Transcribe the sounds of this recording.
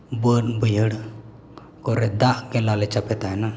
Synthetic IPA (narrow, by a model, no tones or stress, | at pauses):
bənbəjəɽ | koɾed̪aʔkelaːlet͡ʃɐpet̪aɦɛna